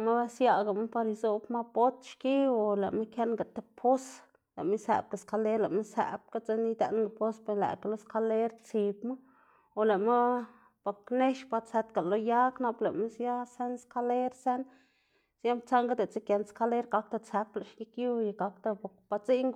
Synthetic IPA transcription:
ma˦sja˦ɡa˨ma˦pa˧ɾi˧zo˦bma˦po˦t̪ʃki˦o˨la̰˨ʔme˦kje˦nɡa˨t̪e˦pʰo˦s | la̰˨ʔme˦sæ̰˨b̚ka˨ska˧le˦ɾla˨ʔme˦sæ̰˨b̚ka˦t͡se˦ni˦d̪ḛ˦nɡa˨po˦spe˧læ̰˨ka˨lo˦ska˦le˦ɾt͡si˨˧bma˦ | o˨le˨ma˦ | po˨kne˦ʃpa˧se˧t̪ɡa˨lo˦ja˦kna˧ble˨ʔme˦sja˦se˦nska˦le˦ɾse˦n | sja˦mp̚t͡sa˦ŋɡa˦d̪e˨t͡se˦kje˧nska˧le˦ɾɡa˧k̚t̪a˧t͡se˧pla˨ʃji˦kju˦ja˧˨ɡa˧kt̪a˧po˨kb̥a˧t͡si˦ŋɡ

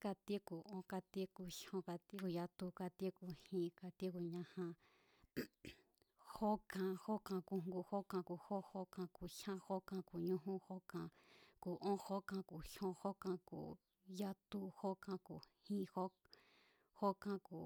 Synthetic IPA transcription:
ka˧t̪i˦ku˨õ˦ka˧t̪i˦ku˨ʃõ˧˦ka˧t̪i˦ku˧ja˧t̪u˧ka˧t̪i˦ku˨hĩ˦˧ka˧t̪i˦ku˧ɲã˧hã˧ | ho˦kã˧ho˦kã˧ku˧˨ŋŋ˧ɡu˧ho˦kã˧ku˨ho˦ho˦kã˧ku˨ʃã˦ho˦kã˧ku˨ɲũ˦ɦũ˦ho˦kã˧ku˨ʔõ˦ho˦kã˧ku˨ʃõ˦ho˦kã˧kṵ˨ | ja˦t̪u˧ho˦kã˧ku˨hĩ˦ho˦ | ho˦kã˧kuː˨

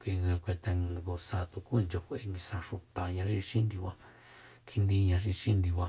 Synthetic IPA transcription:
kʷi˧ã˧kʷe˧nt̪a˧ɡo˧sa˧t̪u˧ku˦˧nd͡ʒo˧kʷe˧e˧ŋɡi˧sã˧ʂu˧t̪a˨ɲã˧ʐi˧ʃĩ˦nd̪i˧βʷa˧ | kʰi˧nd̪ĩ˧ɲã˧ʐi˧ʃĩ˦nd̪i˧βʷa˧

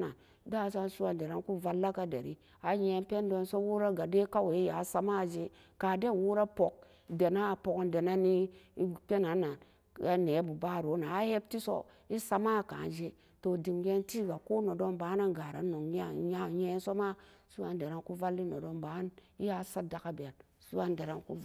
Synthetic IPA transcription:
na˨n | da˦˨˦sa˦nsu˦wa˨nde˨ɾa˦nku˦va˨lːa˦ka˦dḛ˨ɾi˦ | a˨ɲe˨˦npe˦ndo˦nso˦wu˦ɾa˦ɡa˨de˦ka˦we˨˦i˦ja˨˦sa˦ma˦˨d͡ʒe˦ | ka˨de˦˨wu˦ɾa˦po˨k̚ | de˨na˦˨po˨knde˨na˦ni˦pe˦na˨˦na˨n | a˨ne˨˦bu˨ba˦˨ɾo˨˦na˨a˦he˦b̚ti˦so̰˦ | i˦sa˦ma˦˨ka̰˨nd͡ʒe˦ | to˨di˨mɡe˦nti˦ɡa˨ko˦no˨do˦nba˨˦na˦ɡa˨ɾa̰˨˦no˨ŋ˦ja˦ɲe˦n˦so˦ma˦ | su˦wa˦nde˨ɾa˦ŋku˦va˦lːi˦no˨do˦nba˨˦n | i˦ja˨˦sa˦da˨ka˦bi˨a˨n | su˦wa˦nde˨ɾa˦ŋkṵ˦

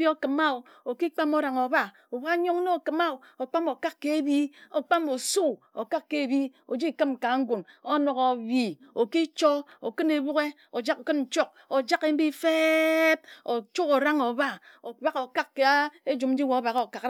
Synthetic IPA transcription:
i˦o˦kɨ˨ma˦u˨ | o˨ki˦k͡pa˦mo˦ɾa˨ŋo˨ba˦ | o˨ba˦ɲo˦ŋno˦o˨kɨ˨ma˦u˨ | o˨k͡pa˦mo˨ka˦kːe˨e˦bi˦o˨k͡pa˦mo˨su˦o˨ka˦kːe˨e˨bi˦o˨d͡ʒi˦kɨ˦mka˨˦ŋ̩˦ɡu˨no˦no˨ko˨bi˨o˨ki˦t͡ʃo˦o˨kɨ˦ne˨bu˦ke˦ | o˨d͡ʒa˦ko˨kɨ˦nn̩˨t͡ʃo˦k̚o˨d͡ʒa˦ke˦m̩˦bi˦fe˦b̚o˨t͡ʃu˦ko˨ɾa˦ŋo˨ba˦o˨ba˦ko˨ka˦kːe˨a˦e˦d͡ʒu˨mn̩˦d͡ʒi˦wo˨˦ba˨ɣo˨ka˨k

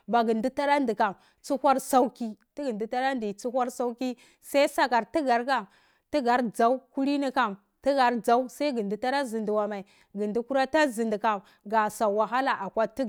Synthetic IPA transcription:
ba˨ɡi˨ndi˦ta˦ɾa˦ndi˨ka˨m | t͡su˦hʷa˦ɾsa˦u˦ki˦ti˦ɡi˨ndu˦ta˦ɾa˦ndi˨t͡su˦hʷa˦ɾsa˦u˦ki˦ | sa˦i˦sa˦ka˨ɾti˦ɡa˨ɾka˨m | ti˦ɡa˨˦ɾd͡za˨˦u˦ku˦ɾi˦ni˦ka˨m | ti˦ɡa˨ɾd͡za˦u˦sa˦i˦ɡi˨ndi˨ta˦ɾa˦zi˨ndi˨wa˨ma˨i˨ | ɡi˨ndi˦ku˦ɾa˦ta˦zi˨ndi˨ka˨m | ɡa˨sa˨wa˨ɦa˦la˨ʔa˨kʷa˦ti˦˨

